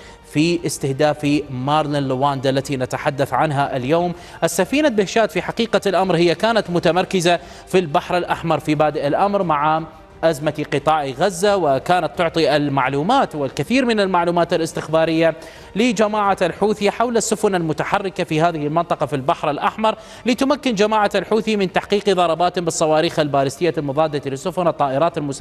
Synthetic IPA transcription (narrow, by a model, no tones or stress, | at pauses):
fiʔɪst̪ɪhd̪aːfimaːɾˤlalːɪwaːnd̪alːat̪inat̪aħad̪ːaθʕanɦaʔɪljoːm | ʔasːafiːnalbɪhʃaːt̪fiħaqiːqalʔamɾhɪjːakaːnat̪mʊt̪amɑɾˤkɪza | filbaħɾɪlʔaħmɑɾˤfibaːd̪ɪʔɪlʔamɾmaʕa | ʔazmat̪iqɨt̪ˤɑːʔiɣazːawɪkaːnat̪ːʊʕt̪ˤiʔɪlmaʕluːmaːt̪wɪlkɪθiːɾmɪnɪlmaʕluːmaːt̪alɪst̪ɪxbaːɾɪjːa | lɪd͡ʒamaːʕaalħuːθɪħawlasːʊfʊnalmʊt̪aħarːɪkafihaːðɪhɪlmɪnt̪ˤɑqɑfilbaħɾɪlʔaħmɑɾˤ | lɪt̪ʊmakːɪnd͡ʒamaːʕaalħuːθimɪnt̪aħqiːqiðˤɑɾˤɑbaːt̪bɨsˤːɑwɑːɾiːxalbaːlɪst̪ɪjːalmʊðˤɑːd̪ːat̪lɪsːʊfʊnɨt̪ˤːɑːʔɪɾˤɑːt̪almʊs